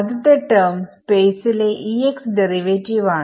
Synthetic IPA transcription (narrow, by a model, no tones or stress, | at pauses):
d̪t̪əʈəɾmspesileʔieksɖəɾiʋet͡ɕiʋa